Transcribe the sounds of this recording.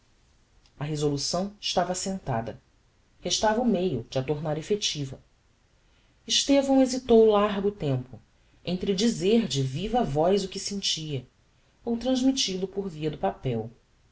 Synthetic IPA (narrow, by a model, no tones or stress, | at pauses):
ɐɦezolusɐ̃w̃ɪʃt̪avɐasẽnt̪a̰d̪ɐ̰ | heʃt̪avɐumejʊd͡ʒɪɐt̪oɾnaɾefet͡ʃivɐ̰ | iʃt̪evɐ̃w̃ezit̪owlaɾɡʊt̪ẽmpʊ | ẽnt̪ɾɪd͡ʒizeɾd͡ʒɪvivɐvɔjzʊkɪsẽnt͡ʃiɐ | owt̪ɾɐ̃zmit͡ʃilʊpʊɾviɐd̪ʊpapɛw